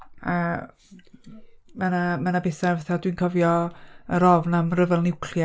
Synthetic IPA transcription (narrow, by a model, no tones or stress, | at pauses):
a̰ | manamanabɪθarvaθadwinkʰɔvjɔəɾɔvnamrəvɛlnɪwkʰlja